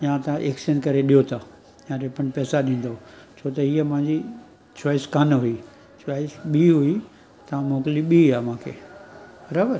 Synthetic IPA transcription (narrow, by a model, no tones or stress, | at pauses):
jãt̪ʔeksənkɐɾeɗijot̪ʰa | jãɾepəɳpɛːsaɗĩːn̆d̪ot͡ɕʰoːt̪ɐɦiːəmʊ̃ɦɪ̃ɲd͡ʑi | t͡ɕaːɪskanɦui | t͡ɕʋaːɪsɓiːɦui | t̪ɐʋãmoːkliɓiːaːmãːkʰḛː | ɾɐbəɾ